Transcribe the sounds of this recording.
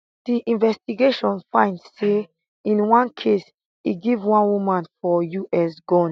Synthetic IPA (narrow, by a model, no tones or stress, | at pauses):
d̥iʔĩnvɛstiɡeʃɔ̃nfãɪ̃ndse | ĩnwãnkʰes | iɡivwãnwumãnfɔjuʔɛsɡɔ̃n